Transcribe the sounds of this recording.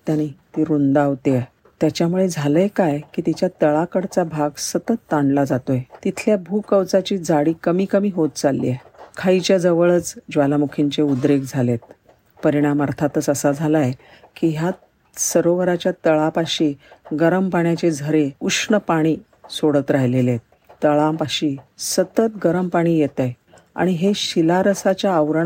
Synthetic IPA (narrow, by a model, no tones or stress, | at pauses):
t̪aɽ̃it̪iːɾund̪aʋt̪e | t̪jat͡ɕjamuɭed͡zʱaləjkajkiːt̪it͡ɕjat̪əɭakəɽt͡sabʱaɡsət̪ət̪ːaɳlad͡zat̪ojet̪it̪ʰljabʱuːkəwt͡sat͡ɕiːd͡zaɽiːkəmiːkəmiːɦot̪t͡salːḭekʰait͡ɕjad͡zəʋəɭət͡sd͡ʑʋalamukʰiɲt͡ɕeud̪ɾeɡd͡zʱalet̪̚ | pəɾiɽ̃amaɾt̪ʰat̪ət͡səsad͡zʱalaj | kiːɦja | səɾoʋəɾat͡ɕjat̪əɭapaɕiɡəɾəmpaɳjat͡ɕed͡zʱəɾeukʂɳəpaɽ̃iː | soɽət̪ɾaɦilelet̪̚ | t̪ːəɭapaɕiːsət̪ət̪ɡəɾəmpaɽ̃iːjet̪əj | a̰ɽ̃iɦeɕilaɾəsat͡ɕjaəʋɾəɳ